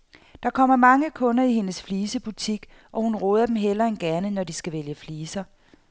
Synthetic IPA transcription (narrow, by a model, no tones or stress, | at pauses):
d̥ɑ̈kʰɒ̽m̰ɐmɑ̈ŋəkʰɔ̽nɐihe̝nəsfliːsəb̥ut͡sʰiɡ̥ | ʔɒ̽hunʁoːðˠɐd̥em̩ɦel̰ɐe̝nɡ̥ænənɒd̥isɡ̥æʋeljəfliːsɐ